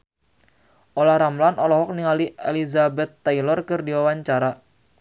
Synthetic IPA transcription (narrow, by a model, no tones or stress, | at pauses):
ʔolahɾamlanɔlɔɦɔk̚niŋalielizabɛt̪ːailɔrkɨrdiwawaɲt͡ʃaɾa